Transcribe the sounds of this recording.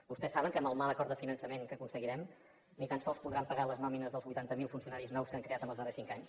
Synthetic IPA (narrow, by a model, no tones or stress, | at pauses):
bust̪ɛsaβəŋkəməlˠmalˠəkɔɾt̪əfinənsəmeŋkəkunsəɣiɾɛm | nit̪ansɔlˠspuðɾampəɣaləznɔminəzðəlˠzβujt̪ant̪əmilˠfunsiunaɾiznɔwskaŋkɾeat̪əmbəlzðərɛsiŋkaɲs